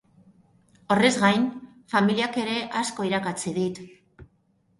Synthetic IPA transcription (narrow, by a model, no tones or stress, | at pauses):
o̞re̞zɣajn | familiake̞ɾe̞ʔasko̞iɾakat͡siðit̪